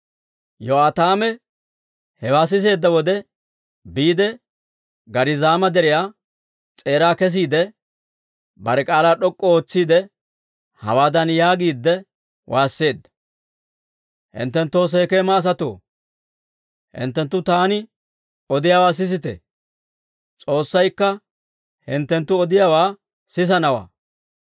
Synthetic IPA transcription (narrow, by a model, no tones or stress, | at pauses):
jɔaːt̪aːmɛ | hɛwaːs̬ɪs̬e̞ːd̪ːɐwɔd̪ɛ | biːd̪ɛ | ɡɐɾɪzaːmɐd̪ɛɾɪjaː | t͡sʼe̞ːɾaːkɛs̬iːd̪ɛ | bɐɾɛkʼaːlaːɗɔkʼːɔoːt͡sːiːd̪ɛ | hɐ̰waːd̪ɐnjaːɡiːd̪ːɛ | wʔaːsːe̞ːd̪ːɐ̥ | hɪ̰nt̪ːɛnt̪ːoːs̬ɛjkeːmaːs̬ɐt̪o̰ː | hɪ̰nt̪ːɛnt̪ːʊt̪aːnɪ | ɔd̪ɪjaːwaːs̬ɪs̬ɪt̪ɛ̰ | t͡sʼo̞ːsːɐjkːɐ | hɪnt̪ːɛnt̪ːʊɔd̪ɪjawaː | sɪs̬ɐnɐwa̰ː